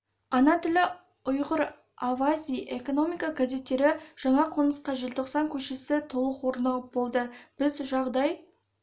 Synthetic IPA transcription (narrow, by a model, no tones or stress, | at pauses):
ɑnɑt̪ʰɪlʲɪ | ʊjʁəɾ | avazʲijʔe̞ko̞no̞mijkaɡaze̞t̪ːe̞ɾɪʒ̥ɑɴɑqʰonəsqɑʒɪlʲt̪ʰo̞qsɑŋkʲʰɵʃesɪt̪ʰo̞lˠəqwo̞ɾnɑlˠəp̚bo̞lˠd̪əb̥ɪzʒɑʁd̪ɑj